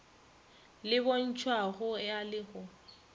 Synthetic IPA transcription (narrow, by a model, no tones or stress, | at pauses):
lɪbon̩t͡ʃʰwaɣʊjalɪɣʊ